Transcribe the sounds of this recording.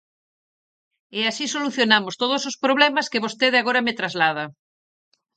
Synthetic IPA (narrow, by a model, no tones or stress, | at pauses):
easisoluθjonamost̪oð̞osospɾoβlɛmɐskeβost̪eðeaɣoɾɐmet̪ɾazlað̞ɐ